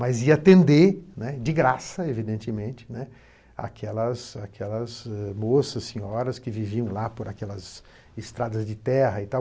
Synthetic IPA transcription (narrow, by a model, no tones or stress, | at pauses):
mɐziɐt̪ẽnd̪enɛd͡ʒɪɡɾasɐevid̪ẽnt͡ʃɪmẽnt͡ʃɪ̥nɛ | a̰kʰɛlɐzakʰɛlɐzɛmosɐssːẽɲɔɾɐskɪviviɐ̃w̃lapoɾakɛlɐz | ɪst̪ɾad̪ɐzd͡ʒɪt̪ɛɦɐit̪aw